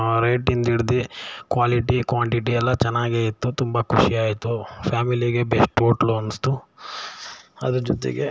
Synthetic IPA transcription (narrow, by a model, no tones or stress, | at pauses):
ɾeːʈind̪iɽd̪ikʋaːliʈikʋaːɳʈiʈiɛlːɐt͡ʃɛnːaːɡejit̪ːut̪umbɐkʰuʂiaːjit̪upʰaːmiliɡebesʈoːʈlɐnst̪u | ɐd̪ud͡ʒɔt̪ḭɡḛ